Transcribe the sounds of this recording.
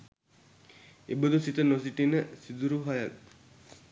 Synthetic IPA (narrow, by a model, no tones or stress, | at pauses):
ebəd̪usit̪ənosiʈinəsid̪uɾuɦajak